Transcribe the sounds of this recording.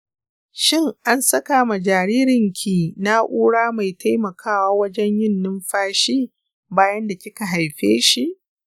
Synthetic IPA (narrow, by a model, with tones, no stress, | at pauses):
ʃɪ˦ŋʔa˦nsɐ˦ka˨ma˨d͡ʒaː˨ɾiː˦ɾɪ˨ŋkʲʰiː˨na˦ʔuː˦ɽaː˦ma˨jta˦jmɐ˨kʰaː˦waː˦wɐ˦d͡ʒɛ˦ɲjɪ˦˨nːɪ˦mɸaː˦ʃiː˦ | baː˦jɐ˦nda˨kʲɪ˦ka˨ɦa˨jɸeː˦ʃi˨ʔ